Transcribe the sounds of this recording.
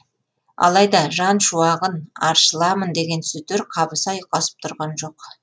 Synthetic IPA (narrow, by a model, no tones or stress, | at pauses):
ɑ̰lˠɑjd̪ɑʒɑnʃuɑʁənɑɾʃəlˠɑmənd̪e̞ɡʲe̞nsʏzd̪eɾqʰɑbəsɑjqɑsə̥p̚t̪ʰʊɾʁɑnʒo̞q